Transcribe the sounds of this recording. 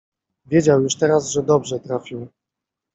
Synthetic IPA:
vʲjed͡ʑawjuʂt̪ɛɾazʐɛd̪ɔbʐɛt̪ɾafʲiw

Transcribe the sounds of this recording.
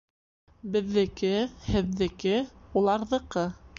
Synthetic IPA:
bɘ̆ðːɘ̆kɘhɘ̆ðːɘ̆kɘulˠɑɾðɤ̆qɤ

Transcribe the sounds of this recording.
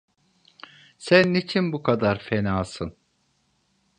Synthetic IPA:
sænːit͡ʃʰinbukʰad̪aɾfenaːsɯn

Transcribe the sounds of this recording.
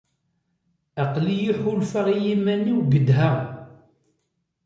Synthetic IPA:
æqlijiħʊlfaʁijimænːiwɡəd̪ɦæ

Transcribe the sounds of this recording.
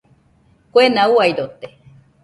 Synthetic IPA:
kʷenauajɾot̪e

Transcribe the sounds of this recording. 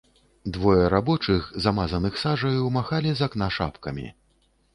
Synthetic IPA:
d̪vɔjɐɾabɔt͡ʂɨxzamazɐnɨxsaʐɐjwmaxalʲizɐknaʂa̰pkɐmʲḭ

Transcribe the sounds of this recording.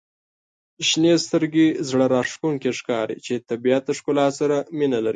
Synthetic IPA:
ʃnest̪əɾɡezɽaɾɑʂtuŋkeʂkɑɾḭt͡ʃet̪abijat̪̚əʂkʊlɑtsaɾaminalaɾi

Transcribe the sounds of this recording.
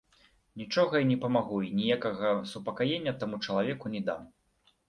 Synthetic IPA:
nʲit͡ʂɔɣɐinʲɛpɐmaɣuinʲijakɐɣɐsupɐkajenʲːɐt̪amut͡ʂɐlˠavʲɛkunʲɛd̪am

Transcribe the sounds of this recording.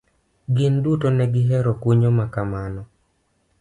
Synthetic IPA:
ɡɪndutonɛɡɪɦɛɾokwuɲomakamanɔ

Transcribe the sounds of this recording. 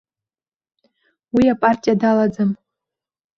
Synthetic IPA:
wiapʼartʲʼijadalad͡zɨm

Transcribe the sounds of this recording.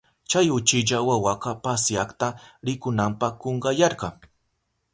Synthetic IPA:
t͡ʃajʊt͡ʃɪʎawawɑqɑpasjɑχt̪aɾɪkʊnampɑkoɴɢɑjɑɾɢɑŋ

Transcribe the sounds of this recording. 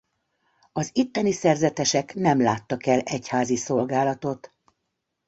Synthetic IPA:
ɒzit̪ːɛnisɛrzɛt̪ɛʃɛknɛmlaːt̪ːɒkɛlɛchaːziso̞lɡaːlɒt̪o̞t̪

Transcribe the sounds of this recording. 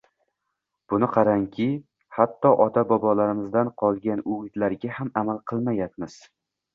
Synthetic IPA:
b̥ʊnɪqʰɑɾaŋkʲʰɪ | hat̪ʰːɒʔɒt̪ʰabɒbɒlaɾɪmɪzd̪anqʰɒlˠɡʲanʊmɪd̪laɾɡʲahamamalˠqʰɨlˠmajap̪mɪz̥

